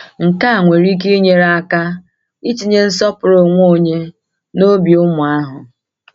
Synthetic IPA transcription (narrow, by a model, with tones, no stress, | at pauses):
ŋ̩˨ka˦a˨ŋʷe˨ɾi˦k̬e˦i˦ɲe˦ɾa˦˨a˦ka˦ | i˦t͡ʃi˨ɲe˦n̩˦sɔ˦pʊ˨ɾo˨ŋʷ˦o˦˨ɲe˦ | no˦bi˨ʊ˦mʊ˨a˦ɦʊ˨